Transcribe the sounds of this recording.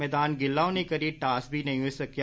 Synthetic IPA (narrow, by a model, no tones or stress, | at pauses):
ɛːd̪aːnɡɪlːaːonẽkɐɾiʈaːsbʱinɐ̃ɦĩosɐkj